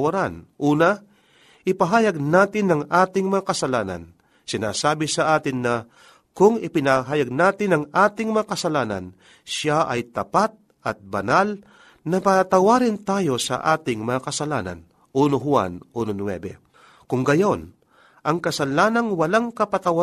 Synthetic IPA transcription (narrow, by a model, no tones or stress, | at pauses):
wɐɾanʔuːnɐ | ʔɪpɐɦaːjɐɡ̚naːt̪ɪnːɐŋʔaːt̪ɪŋmɐŋakɐsɐlaːnɐ̰n | sɪna̰ːsaːbɪsɐʔaːt̪ɪnːɐ | kʊŋɪpɪnaɦaːjɐɡ̚naːt̪ɪnɐŋʔaːt̪ɪŋmɐakɐsɐlaːnɐ̰n | ʃaʔɐ̰jt̪ɐpat̪̚ | ʔɐt̪̚bɐnal | nɐpɐt̪ɐwaːɾɪnt̪aːjo̞sɐ̰ʔaːt̪ɪŋmɐŋakɐsɐlaːnɐ̰n | ʔunoɦʊa̰nʔunonwɛ̰bɛ̰ | kʊŋɡɐjo̞n | ʔɐŋkɐsɐlaːnɐnwɐlaŋkɐpɐt̪ɐwa